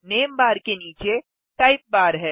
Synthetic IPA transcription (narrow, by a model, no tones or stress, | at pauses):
neːmbaːɾkeniːt͡ʃe | ʈaːɪp̚baːɾɦɛː